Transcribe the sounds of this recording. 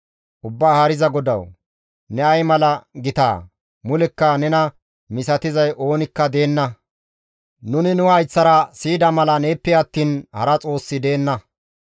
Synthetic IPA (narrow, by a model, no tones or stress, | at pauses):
ʔʊbːaːhɐɾɪzɐɡɔd̪ɐw | nɛɐjmɐlɐɡɪt̪a̰ː | mʊlɛkːɐnɛnɐ | mɪsɐt̪ɪzɐjʔo̞ːnɪkːɐd̪e̞ːnːɐ | nʊnɪnʊɐjt͡sːɐɾɐsiːd̪ɐmɐlɐneːpːɛɐt̪ːiːnhɐ̰ɾɐt͡sʼo̞ːsːɪd̪e̞ːnːɐ